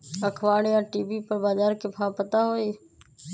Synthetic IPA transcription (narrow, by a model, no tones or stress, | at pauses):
əkʰʋaːɽjãːʈiːbiːpəɾbaːzaːɾkeːpʰãːpət̪aːɦoːiː